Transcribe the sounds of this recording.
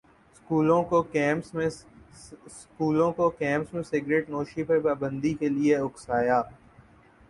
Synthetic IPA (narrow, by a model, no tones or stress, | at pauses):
skuːlõkokɛ̃ːmsmẽ | skuːlõkokɛ̃ːmsmẽsɪɡɾeːʈnoːʃipɐɾpaːbə̃nd̪ikelieʊksaːjaː